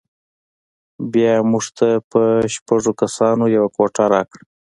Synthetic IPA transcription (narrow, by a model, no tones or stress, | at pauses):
bjɑmuʐt̪ʰapəʃpaʐokasɑnojawakwoʈaɾɑ̰kɽ